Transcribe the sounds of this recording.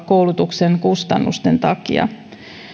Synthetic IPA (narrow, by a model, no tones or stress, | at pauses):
kkːowlut̪ukseŋkust̪ɑnːṵst̪e̞nt̪ɑkḭɑ̰